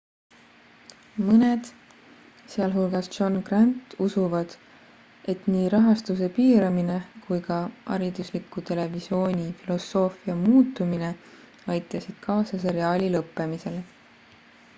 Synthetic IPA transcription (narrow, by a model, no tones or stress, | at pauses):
mɤne̞d̪̥ | seɑlɦulɡ̥ɑsʒo̞nɡ̥rɑnt̪ˑusuvɑd̪̥ | ʔe̞t̪niːɾɑɦɑst̪use̞piːɾɑmine̞kujkɑʔɑ̰ɾid̪̥uslikːˑut̪e̞le̞visjo̞ːnʲifilo̞sːo̞ːfiɑmuːt̪ːˑumine̞ | ɑjt̪ːˑɑsid̪̥kʰɑːsɑs̬eɾiɑːlʲilɤpːe̞mise̞l